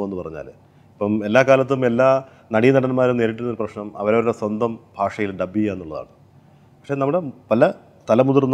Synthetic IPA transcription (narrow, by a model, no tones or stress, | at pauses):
enːɨpɐrɐɲːa̰ːl | ipːɐme̞lːaːkaːlɐt̪̬ːume̞lːaː | nɐɽijnɐɽɐnmaːɾumneːɾiʈ̬ːunɐoɾuprɐɕnɐmɐ̰ʋɐɾoɾuɾeswɐnd̪ʱɐmbʱaːʂɐjilɖɐbːienːuɭɐða̰ːɳɨ | pɐkʂe̞ːnɐmːuɽe̞pɐlɐ | t̪ɐlɐmud̪urn